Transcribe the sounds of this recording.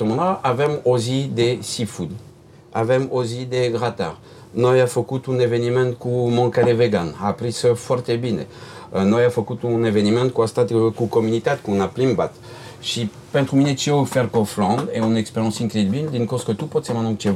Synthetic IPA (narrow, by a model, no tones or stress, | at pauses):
t̪ɔmɑ̃naavɛmozid̪esifud̪ | a̰vɛmozid̪eɡʁat̪a̰ʁ | nɔjafokut̪ũnevenimɛ̃nkumɑ̃kaleveɡanapʁisəfɔʁt̪ebinḛnɔjafɔkut̪ũnevenimɛ̃nt̪̚kwast̪at̪kukɔmynit̪at̪̚kɔ̃naplimba̰t̪ | ʃi | pɛ̃t̪χuminet͡ʃiofɛʁkɔflɑ̃d̪eɔ̃nɛkspeʁjɑ̃sinklid̪bind̪ynkoskət̪upɔt̪semãnɑ̃kt̪e